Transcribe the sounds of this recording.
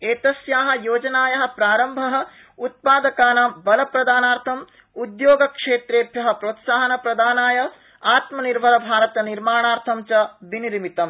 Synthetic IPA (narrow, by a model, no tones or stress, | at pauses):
eːt̪ɐsjaːɦɐ̆joːd͡ʒɐnaːjɐɦɐ̆pɾaːɾɐmbʱɐɦɐ̆ | ut̪̚paːd̪ɐkaːnaːmbɐlɐpɾɐd̪aːnaːɾt̪ʰɐm | ud̪joːɡɐkʂeːt̪ɾeːpjɐɦɐ̆pɾoːt̪saːɦɐnɐpɾɐd̪aːnaːjɐ | aːt̪mɐniɾʋɐlɐbʱaːɾɐt̪ɐniɾmaːɳaːɾt̪ʰɐmt͡ʃɐʋiniɾmit̪ɐm